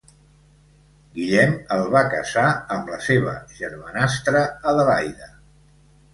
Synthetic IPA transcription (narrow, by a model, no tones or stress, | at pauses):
ɡiʎɛməlˠβakə̰zaəmləseβ̞ə̰ʒəɾmənast̪ɾəːðəlajðə